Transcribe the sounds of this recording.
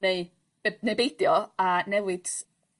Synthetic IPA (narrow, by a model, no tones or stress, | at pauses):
eɨ | nejbejdjɔanɛwɪd̥